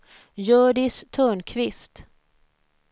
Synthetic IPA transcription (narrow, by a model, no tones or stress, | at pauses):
jœːɖɪst̪ʰœːɳkʰvɪst̪